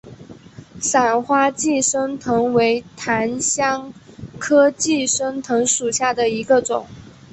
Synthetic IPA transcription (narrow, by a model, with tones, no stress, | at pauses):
sa˨˩nxwa˥t͡ɕi˥˩ʂə˥ŋt̪ʰɤ˧˥ŋwe˧˥ɪt̪ʰa˧˥nɕjɑ˥ŋkʰɤ˥t͡ɕi˥˩ʂə˥ŋt̪ʰɤ˧˥ŋʂu˨˩ɕja˥˩d̪ə˩i˧˥ɡə˧ʈ͡ʂʊ˨˩˦ŋ